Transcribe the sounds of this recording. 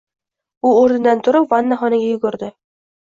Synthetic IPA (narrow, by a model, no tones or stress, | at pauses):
ʊoɾnɪd̪ant̪ʰʊɾɪpvanːaχɒnɪɡʲajʊɡʊɾd̪ɪ